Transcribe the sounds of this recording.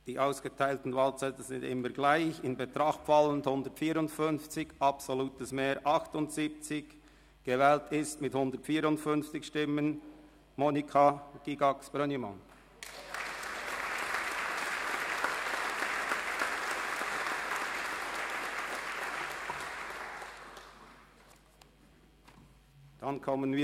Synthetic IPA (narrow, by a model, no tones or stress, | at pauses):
d̥iːʔaʊsɡ̥ətʰaɪltn̩vɑːlt͡sɛtəzɪndɪ̰mːəɡlaɪçɪnbetɾɑχtfɑlənthʊndətfiːɾʊntfʏnft͡sɪçʔɑpsoluːtəsmeːɾʔɑxtʊntsiːp̚t͡sɪç | ɡ̥evɛːltɪstmɪthʊndətfiːɾʊntfʏnft͡sɪçʃtɪmən | moːnikʰɑɡ̥iɡɑksb̥ɾœnimɑ̰n | d̥ɑnkʰɔmːənviː